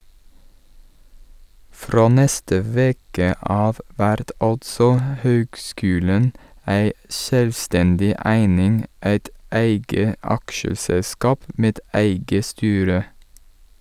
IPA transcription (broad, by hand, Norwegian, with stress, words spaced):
ˈfɾoː ˈnɛstə ˈʋeːkə ˈɑːʋ ˈʋæɾt ˈɑltsɔ ə ˈhøːɡˌskʉːlən ˈæɪ ˈʃøːlʋˌstɛndɪ ˈæɪnɪŋ ˈæɪt ˈæɪɡə ˈɑkʃəsɛlˌskɑːp ˈʔmeːd ˈæɪɡə ˈstyːɾə